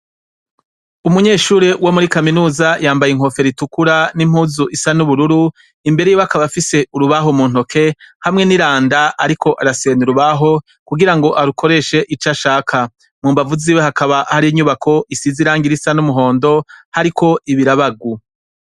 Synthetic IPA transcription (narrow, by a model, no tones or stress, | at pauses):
umuɲe̞ːʃuːɾewomuɾikaminuːzajaːmbajeŋ̥ho̞fe̞ɾitukuɾanim̥huːzuʔisanuβuɾuɾu | imbe̞ɾe̞joβakaβafise̞ʔuɾuβaɦo̞muːn̥o̞kʰe̞hamŋe̞niɾaːndaʔaɾikʰo̞ʔaɾaseeniɾuβaɦo̞ | kuɡiɾaŋɡo̞ʔaɾukʰo̞ɾe̞ʃe̞ʔit͡ʃaʃaːkʰa | muːmbavuziwehakaβaʔhaɾiiɲuβakʰo̞ʔisiziɾaːŋɡiɾisanumuɦo̞ːndo̞haɾikʰo̞ʔiβiɾaβaɡu